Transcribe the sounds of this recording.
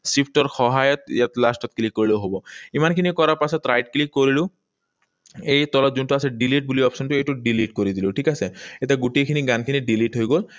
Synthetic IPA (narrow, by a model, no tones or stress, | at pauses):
sipʰʈɔɾxɔɦajɔt̪jat̪lasʈɔt̪̚klikːoɾilewɦobɔimankʰinikɔɾapasɔt̪ɾajɖklikːoɾilu | ejt̪ɔlɔt̪̚d͡ʒunʈuasʰeɖiliʈ̚buliɔpsɔnʈueʈuɖiliʈkoɾid̪iluʈʰikaseet̪eɡuʈikʰiniɡankʰiniɖiliʈɦojɡol